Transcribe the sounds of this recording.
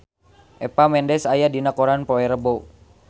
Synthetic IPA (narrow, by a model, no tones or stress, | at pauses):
ʔɛpamɛndɛsajadinakoɾanpɔɛɾəbo